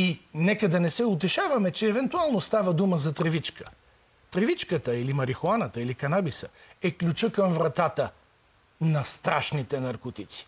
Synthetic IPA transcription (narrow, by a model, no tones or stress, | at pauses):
inɛkəd̪ɐnɛsɛʊt̪ɛʃavɐmɛt͡ʃɛːvɛnt̪ualˠnost̪avəd̪uməzɐt̪ɾɛvit͡ʃkə̥ | t̪ɾɛvit͡ʃkət̪əilimɐɾixoanət̪əilikɐnabisəɛklʲut͡ʃəkəmvɾɐt̪at̪ə | nɐst̪ɾaʃnit̪ɛnɐɾkot̪it̪si̥